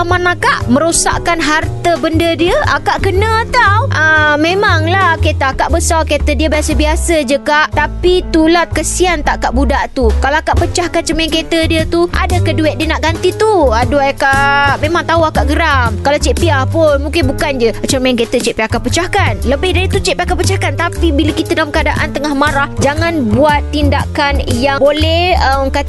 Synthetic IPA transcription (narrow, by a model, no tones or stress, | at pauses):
amanakaʔmə̃ɾosa̰ʔkanɦart̪əbəndədiəakaʔkənə̃t̪awʔəmẽmaŋlahket̪əakaʔbəsalket̪ədiəbiasəbiasəd͡ʒəkaʔt̪apit̪ulahkəsiant̪aʔkaʔbudaʔt̪ukalaakaʔpət͡ʃahkant͡ʃəmaŋket̪ədiət̪uʔa̰dakəduɪt̪̚diənaʔɡant̪it̪uaduakaʔmẽmãŋt̪auakaʔɡəɾamkalat͡ʃɛʔpiapʊnmũŋkɪnbukand͡ʒət͡ʃəmaanket̪ət͡ʃɛʔpiakapət͡ʃahkanləbɪhdaɾit̪ut͡ʃɛʔpiakapət͡ʃahkant̪apibiləkit̪adalamkəadaʔa̰nt̪əŋahmaɾahd͡ʒaŋãnbuat̪ːindakanjabolɛhəmka